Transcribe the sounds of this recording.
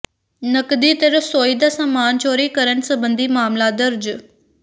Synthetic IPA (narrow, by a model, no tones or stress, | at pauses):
nəkd̪iːt̪əɾəsoːiːd̪aːsamaːnt͡ʃoːɾiːkəɾənsəbənd̪iːmaːmlaːd̪əɾd͡ʒ